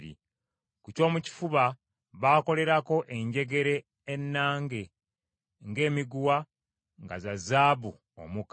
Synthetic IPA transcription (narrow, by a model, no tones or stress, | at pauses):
ɾḭ | kuco̞ːmuci̥fuβa | βaːko̞le̞ɾako̞ʔe̞ɲɟe̞ɡe̞ɾe̞ː | nːaːŋɡe̞ | ŋɡe̞ːmiɡuwa | ŋɡazazaːβu | o̰muk